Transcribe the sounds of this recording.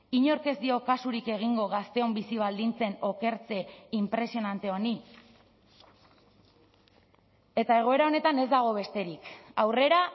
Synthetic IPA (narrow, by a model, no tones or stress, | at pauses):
iɲo̞ɾke̞zd̪io̞kasuɾike̞ɣ̞iŋɡo̞ɣast̪e̞o̞mbisiβ̞ald̪int͡se̞no̞ke̞ɾt͡se̞impɾe̞sio̞nant̪e̞o̞ni | e̞t̪ae̞ɣ̞o̞e̞ɾao̞ne̞t̪ane̞zd̪aɣ̞o̞βe̞st̪e̞ɾikawre̞ɾa